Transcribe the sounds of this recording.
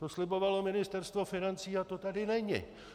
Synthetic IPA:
t̪oslɪbo̞valo̞mɪnɪst̪ɛrst̪vo̞fɪnant͡siːat̪o̞t̪adɪnɛɲɪ̰

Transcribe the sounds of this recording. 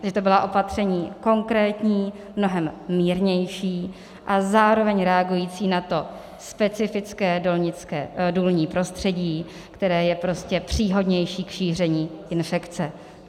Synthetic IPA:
ʒɛt̪o̞bɪlaʔo̞pat̪r̝̥ɛɲiːko̞ŋkɾɛːt̪ɲiː | mno̞ɦɛmːiːɾɲɛjʃiː | ʔazaːɾo̞vɛɲɾɛaɡujiːt͡siːnat̪o̞ | spɛt͡sɪfɪt͡skɛːolɲɪt͡skɛːduːlɲiːpɾo̞st̪r̝̥ɛɟiː | kt̪ɛɾɛːjɛpɾo̞scɛpr̝̥iːɦo̞dɲɛjʃiːkʃiːr̝ɛɲiːʔɪnfɛkt͡sɛ

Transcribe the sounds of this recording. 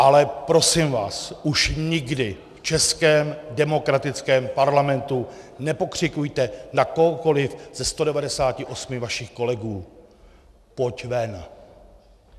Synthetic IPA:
ʔalɛpɾo̞sɪmvaːsʔuʃɲɪɡdɪ | ft͡ʃɛskɛːmdɛmo̞kɾat̪ɪt͡skɛːmpaɾlamɛnt̪unɛpo̞kr̝̥ɪkujt̪ɛnakoɦoko̞lɪfz̥ɛst̪o̞dɛvadɛsaːcɪʔo̞smɪvaʃɪxko̞lɛɡuː | pocvɛn

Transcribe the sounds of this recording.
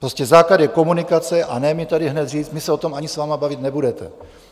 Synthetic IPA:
pɾoscɛzaːkladjɛko̞munɪkat͡sɛʔanɛmɛt̪adɪɦnɛt̪riːt͡st̪mɪsɛo̞t̪o̞maɲɪsvaːmabavɪt̪nɛbudɛt̪ɛ̰

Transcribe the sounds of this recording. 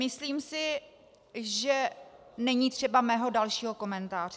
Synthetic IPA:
mɪsliːmsɪ | ʒɛnɛɲiːt̪r̝̥ɛbamɛːɦodalʃiːɦo̞ko̞mɛnt̪aːr̥ɛ

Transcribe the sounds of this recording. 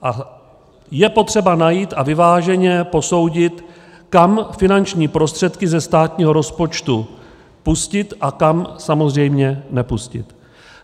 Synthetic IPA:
ʔa | jɛpo̞t̪r̝̥ɛbanajiːt̪ʔavɪvaːʒɛɲɛpo̞so̞wɟɪt̪ | kamfɪnant͡ʃɲiːpɾo̞st̪r̥ɛt̪kɪzɛst̪aːt̪ɲiːɦoɾo̞spo̞t͡ʃt̪u | puscɪt̪ʔakamsamo̞zrɛjmɲɛnɛpuscɪ̰t̪

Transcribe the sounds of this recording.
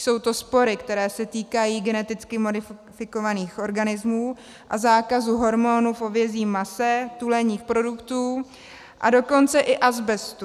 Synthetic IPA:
so̞wt̪o̞spo̞ɾɪkt̪ɛɾɛːsɛt̪iːkajiːɡɛnɛt̪ɪt͡skɪmo̞dɪfɪko̞vaniːxʔo̞ɾɡanɪzmuː | ʔazaːkazuɦo̞ɾmo̞nufovjɛziːmːasɛt̪ulɛɲiːxpɾo̞dukt̪uː | ʔa̰do̞ko̞nt͡sɛʔɪʔazbɛst̪u

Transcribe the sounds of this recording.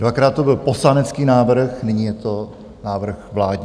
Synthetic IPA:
dvakɾaːt̪t̪ːo̞bɪlposlanɛt͡skiːnaːvr̩xnɪɲiːjɛt̪o | naːvr̩xvlaːdɲ

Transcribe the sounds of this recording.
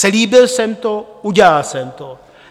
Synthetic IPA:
sɛliːbɪlsɛmt̪ouɟaalsɛmt̪o

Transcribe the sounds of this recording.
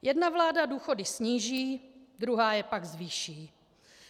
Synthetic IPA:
jʔɛdnavlaːdaduːxo̞dɪsɲiːʒiːd̪ɾuɦaːjɛpaɡzviːʃiː

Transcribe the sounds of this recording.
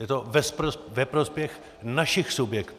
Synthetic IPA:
jɛt̪ovɛspɾovɛpɾospjɛx | naʃɪxsubjɛkt̪

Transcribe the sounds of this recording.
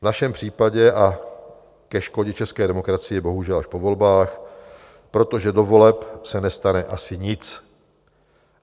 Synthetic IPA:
vnaʃɛmpr̝̥iːpaɟɛʔa | kɛʃko̞ɟɛt͡ʃɛskɛːdɛmo̞kɾat͡sɪjɛbo̞ɦuʒɛlaʃpo̞vo̞lbaːx | pɾo̞t̪o̞ʒɛdo̞vo̞lɛpsɛnɛst̪anɛʔasɪɲɪt͡s

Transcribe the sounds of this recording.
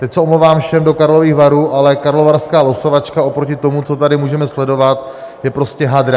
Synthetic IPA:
t̪ɛcsɛomlowvaːmfʃɛmdo̞kaɾlo̞viːɣvaɾuːʔalɛkaɾlo̞vaɾskaːlo̞so̞vat͡ʃkao̞pɾocɪt̪o̞mut͡so̞t̪adɪmuːʒɛmɛslɛdo̞vat̪jɛpɾo̞scɛɦad̪ɾa

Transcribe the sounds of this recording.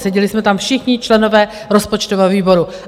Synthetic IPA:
sɛɟɛlɪsmɛt̪amfʃɪxɲɪt͡ʃlɛno̞vɛː | ɾo̞spot͡ʃt̪ovɛːviːbo̞ɾu

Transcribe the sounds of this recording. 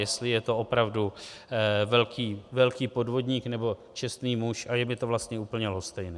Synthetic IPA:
jɛst̪lɪjɛt̪o̞o̞pɾavdu | vɛlkʰiːvɛlkiːpo̞dvo̞d̪ɲiːknɛbo̞t͡ʃɛst̪niːmuʃʔajɛmɪt̪ovlast̪ɲɛuːpl̩ɲɛlost̪ɛjnɛː

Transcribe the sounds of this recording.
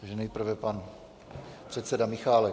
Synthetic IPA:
aɡʒɛnɛjpr̩vɛpan | pr̝̥ɛt̪sɛdamɪxaːlɛ

